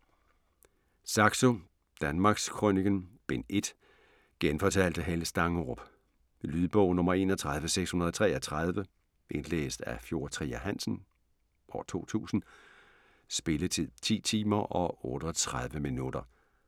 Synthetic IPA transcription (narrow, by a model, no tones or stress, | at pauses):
sɑ̈ɡ̥so̝ | d̥ænmɑ̈ːɡ̥skʰʁoniɡ̥ənb̥e̝ne̝d̥ | ɡ̥enfɒ̽t͡sʰæl̰d̥əɦelsd̥ɑ̈ŋʁob̥ | lyðˠb̥ɔ̽ʊnɔ̽mɐe̝̰ːnɒt͡sʰʁäð̞ˠʋəseɡ̥shunɐð̞ˠɒt͡sʰʁɛːɐt͡sʰʁað̞ˠʋə | ʔe̝nlḛːsd̥æfjo̝ɐt͡sʰʁḭːæɦæn̰sn̩ | ʔɒ̰ːt͡sʰo̝̰ːt͡sʰṵːsn̩ | sb̥e̝lət͡sʰið̰ˠt͡sʰḭːt͡sʰḭːmɐʔɒ̽ɔːɾ̥əɒt͡sʰʁað̞ˠʋəminud̥ɐ